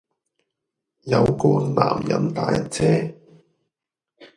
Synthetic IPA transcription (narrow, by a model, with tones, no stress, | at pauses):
jɐ˨˧wkɔː˧nla̰ː˨˩mjɐ̰˨˧˥mt̪aː˨˥jɐ˦˥t̚t͡sʰɛː˥